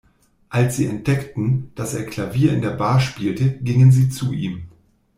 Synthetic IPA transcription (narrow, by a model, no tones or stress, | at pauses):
ʔalsz̥iːɛnt̚d̥ɛktn̩d̥aseːɐkʰl̥aviːɐɪ̰ndeːɐbaːɐʃpiːltəɡɪŋənziːt͡suʔḭːm